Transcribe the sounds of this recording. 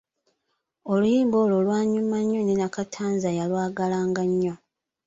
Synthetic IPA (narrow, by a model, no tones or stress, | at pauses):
o̞lujiːmbo̞ːlolwaːɲumaɲːonenakatʰaːnzajalwaːɡalaːŋɡaɲːo